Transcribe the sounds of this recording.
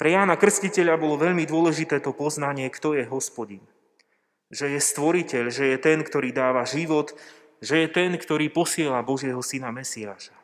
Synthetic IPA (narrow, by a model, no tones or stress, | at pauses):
pɾɛjaːnakr̩scicɛʎabɔlɔʋɛʎmid̪ʊɔlɛʒit̪ɛːt̪ɔpɔznaɲɪɛkt̪ɔjɛɦɔspɔɟin | ʒɛjɛst̪ʋɔɾicɛʎʒɛjɛt̪ɛnkt̪ɔɾiːd̪aːʋaʒiʋɔt̪ | ʒɛjɛt̪ɛnkt̪ɔɾiːpɔsɪɛlabɔʒɪɛɦɔsinamɛsiaːʃḁ